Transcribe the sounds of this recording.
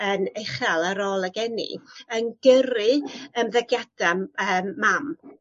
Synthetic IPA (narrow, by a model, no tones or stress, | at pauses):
əneχalˠaɾoːlˠaɡɛnḭənɡ̥əɾɨəmðɛɡjad̥aəːmːam